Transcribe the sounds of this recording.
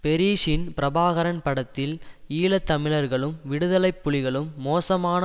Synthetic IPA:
pɛɾiːʂɪnpɪɾɐbaːɣɐɾɐnpɐɽɐt̪ːɪliːlɐt̪ːɐmɪɭɐɾɣɐɭɯmʋɪɽɯðɐlɐɪpːʊɭɪɣɐɭɯmːoːsɐmaːnɐ

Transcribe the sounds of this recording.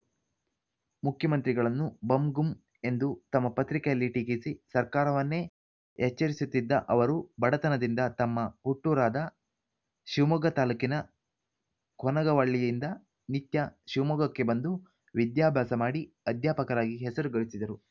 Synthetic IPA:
mukʰjɐmɐnt̪ɾiɡɐɭɐnːubɐmɡum | e̞nd̪ut̪ɐmːɐpɐt̪ɾikɐjɐlːiʈikisisɐɾkaːɾɐʋɐnːe̞ː | hɛt͡ʃːɐɾisut̪ːid̪ːɐʔɐʋɐɾubɐɽɐt̪ɐnɐd̪ind̪ɐt̪ɐmːɐhuʈːuːɾaːd̪ɐ | ʃiʋmuɡɐt̪aːlukinɐ | kʰɔnɐɡɐʋɐɭːijind̪ɐ | nit̪jɐʃiʋmuɡɐkːe̞bɐnd̪u | ʋid̪jaːbʱjaːsɐmaːɽi | ɐd̪jaːpɐkɐɾaːɡiɦɛsɐɾuɡɐɭisid̪ɐɾu

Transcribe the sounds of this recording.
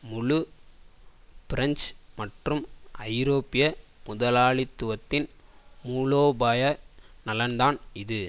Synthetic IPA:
mʊɻʊ | pɪɾɐnsmɐʈrɯmʔɐɪɾoːpɪjɐmʊðɐlaːɭɪt̪ːʊʋɐt̪ːɪn | muːloːbaːjɐ | nɐlɐnd̪aːnɪðɯ

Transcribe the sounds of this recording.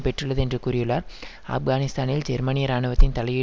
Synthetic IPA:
pɛʈrɯɭːɐðɯɛndrɯkuɾɪjɯɭːaːɾ | ɐ̰fɡaːnɪst̪aːnɪld͡ʒɛɾmɐnɪjɐɾaːɳɯʋɐt̪ːɪnt̪ɐlɐjɪ

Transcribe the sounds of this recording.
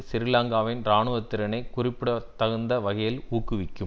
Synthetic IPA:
sɪɾɯlaːŋɡaːʋɪnɾaːɳɯʋɐt̪ːɪɾɐnɐɪkʊrɪpːɪɽɐt̪ːɐɣɐnd̪ɐʋɐɣɐjɪluːkːɯʋɪkʲːɯm

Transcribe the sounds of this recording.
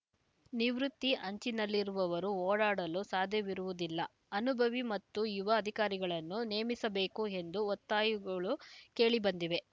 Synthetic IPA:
niʋɾut̪ːiʔɐɲt͡ʃinɐlːiɾuʋɐʋɐɾuoːɽaːɽɐlusaːd̪ʱjɐʋiɾuʋud̪ilːɐ | ɐnubʱɐʋimɐt̪ːujuʋɐːd̪ʱikaːɾiɡɐɭɐnːuneːmisɐbe̞ːkue̞nd̪uɔt̪ːaːjuɡɐɭuke̞ːɭibɐnd̪iʋe̞

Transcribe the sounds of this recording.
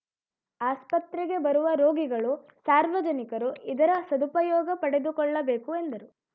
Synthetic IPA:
aːspɐt̪ɾɛɡe̞bɐɾuʋɐɾoːɡiɡɐɭu | saːɾʋɐd͡ʒɐnikɐɾuid̪ɐɾɐsɐd̪upɐjɔːɡɐpɐɽe̞d̪ukɔɭːɐbe̞ːkue̞nd̪ɐɾu

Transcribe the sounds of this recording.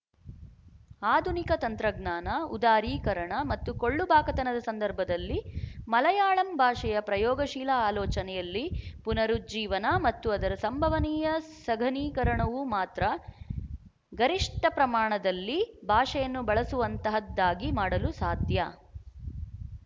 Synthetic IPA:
aːd̪ʱunikɐt̪ɐnt̪ɾɐɡnaːnɐṵd̪aːɾiːkɐɾɐɳɐmɐt̪ːukoɭːubʱaːkɐt̪ɐnɐd̪ɐsɐnd̪ɐɾbʱɐd̪ɐlːimɐlɐjaːɭɐmbʱaːʂɛjɐpɾɐjɔːɡɐʃiːlɐaːlɔːt͡ʃɐnɛjɐlːipunɐɾud͡ʒiːʋɐnɐmɐt̪ːuɐd̪ɐɾɐsɐmbʱɐʋɐniːjɐsɐɡʱɐniːkɐɾɐɳɐʋumaːt̪ɾɐ | ɡɐɾiʂʈɐpɾɐmaːɳɐd̪ɐlːibʱaːʂɐjɐnːubɐɭɐsuʋɐnt̪ɐɦɐd̪ːaːɡimaːɽɐlusaːd̪ʱjɐ

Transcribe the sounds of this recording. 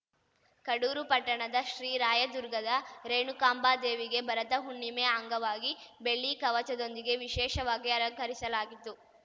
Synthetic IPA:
kɐɽuːɾupɐʈːɐɳɐd̪ɐʃɾiːɾaːjɐd̪uɾɡɐd̪ɐɾeːɳukaːmbaːd̪eːʋiɡe̞bɐɾɐt̪ɐɦuɳːimeːɐŋɡɐʋaːɡi | be̞ɭːikɐʋɐt͡ʃɐd̪ond̪iɡe̞ʋiʃɛːʃɐʋaːɡiɐɾɐŋkʰɐɾisɐlaːɡit̪ːu

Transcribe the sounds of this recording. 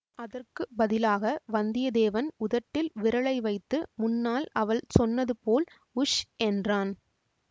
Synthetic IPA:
ɐðɐrkɯbɐðɪlaːɣɐʋɐnd̪ɪjɐd̪eːʋɐnʊðɐʈːɪlʋɪɾɐɭɐɪʋɐɪt̪ːɯmʊnːaːlɐʋɐɭsɔnːɐðɯpoːl | ʊʂɛndraːn

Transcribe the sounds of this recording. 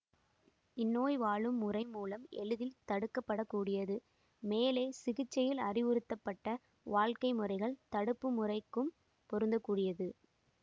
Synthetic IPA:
ɪnːoːjʋaːɭɯmːʊrɐɪmuːlɐmɛ̰ɻɯðɪlt̪ɐɽɯkːɐpːɐɽɐkːuːɽɪjɐðɯ | meːleːsɪɣɪt͡ʃːɐjɪlɐrɪʋɯɾɯt̪ːɐpːɐʈːɐ | ʋaːɭkɐɪmɯɾɐɪɣɐɭt̪ɐɽɯpːɯmʊrɐɪkːɯm | pɔɾɯnd̪ɐkːuːɽɪjɐðɯ

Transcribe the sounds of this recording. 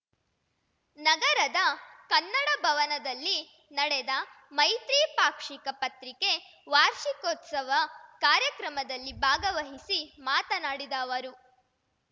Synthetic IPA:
nɐɡɐɾɐd̪ɐkɐnːɐɽɐbʱɐʋɐnɐd̪ɐlːi | nɐɽɛd̪ɐ | mɐjt̪ɾiːpaːkʂikɐpɐt̪ɾike̞ | ʋaːɾʃikoːt̪sɐʋɐkaːɾjɐkɾɐmɐd̪ɐlːibʱaːɡɐʋɐɦisimaːt̪ɐnaːɽid̪aːʋɐɾu

